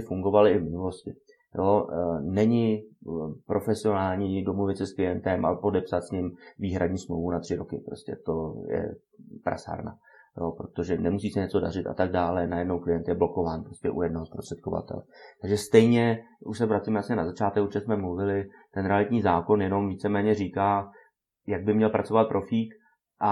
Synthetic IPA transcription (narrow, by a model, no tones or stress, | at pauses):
fuŋɡo̞valɪɪvmɪnulo̞scɪ | jʔonɛɲɪ | pɾo̞fɛsɪo̞naːlɲiːdo̞movɪt̪sɛsklɪjɛnt̪ɛmʔa̰po̞dɛpsat̪sɲɪmviːɦɾʔadɲiːsmlowvunat̪r̥ɪɾo̞kɪpɾoscɛ̰t̪o̞jɛ̰ | pɾa̰sa̰ɾna̰ | jo̰pɾo̞t̪o̞ʒɛnɛmusiːsɛɲɛt͡so̞dar̝ɪt̪a̰t̪aɡ̚daːlɛnajɛdno̞wklɪjɛnt̪jɛbloko̞vaːnpɾo̞scɛʔṵjɛdnoɦospɾost̪r̥ɛ̥t̪kova̰t̪ɛ̰lɛt̪aɡʒɛst̪ɛjɲɛ | ʔuʃsɛvɾat͡simɛasɲɛnazat͡ʃaːt̪ɛkot͡ʃɛsmɛmluvɪlɪt̪ɛnɾɛalɪt̪ɲiːzaːko̞njɛno̞mviːt͡sɛmɛːɲɛriːkaː | jaɡ̚bɪmɲɛlpɾat͡so̞vat̪̚pɾʔo̞fiːk | ʔa